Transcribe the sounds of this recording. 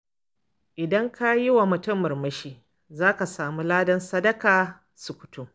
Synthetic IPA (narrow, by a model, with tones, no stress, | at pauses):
ʔɪ˨dɐ˦ŋkʰa˦ji˦wa˨mʊ˨tʊ˦mːɐ˨rmɐ˦ʃiː˦˨ | zaː˦ka˨saː˨mu˦laː˦dɐ˦nsɐ˦dɐ˦kaː˨ | sʊ˨kʷʊ̥˨tʰu˦